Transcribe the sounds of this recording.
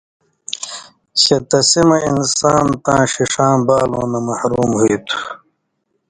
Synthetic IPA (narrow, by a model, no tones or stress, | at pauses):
ɕet̪ɐsimɐinsaːnt̪ãːɕiʂãːbaːlõ̰ːnɐmɐhɾuːmɦuit̪ʰu̥